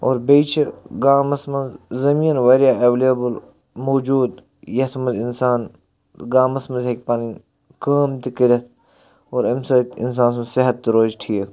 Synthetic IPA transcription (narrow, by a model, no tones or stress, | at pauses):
oːɾbeːt͡ʃʰɐɾɡaːmɐsmɐnzzɐmĩːnʋeːɾijaːeʋlebəl | moːd͡ʒuːd̪ | jɐt̪ʰmɐzinsaːn | ɡaːmɐsmɐnzɦek̚ʲpaːni | kaːmt̪ikiɾʲɐt̪ʰ | oːɾɐmsɐt̪ḭns̬ãːns̬ũseɦɐt̪ːɾoːzʈʰiːk